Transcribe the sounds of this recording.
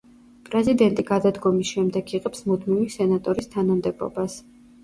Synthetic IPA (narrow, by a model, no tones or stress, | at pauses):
pʼɾɛzid̪ɛnt̪ʼiɡad̪ad̪ɡɔmisʃɛmd̪ɛɡʰiqʼɛpsmud̪mivisɛnat̪ʼɔɾist̪ʰanamd̪ɛbɔ̰bas